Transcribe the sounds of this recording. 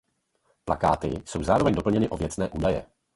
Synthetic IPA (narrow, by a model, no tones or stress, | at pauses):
plakaːt̪ɪ̰so̞wzaːɾo̞vɛɲdo̞pl̩ɲɛnɪʔo̞vjɛt͡snɛːʔuːdajɛ̰